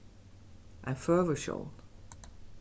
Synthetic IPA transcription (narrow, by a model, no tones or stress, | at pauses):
ʔãfɜ˞və˞ʃo̰lˠd̥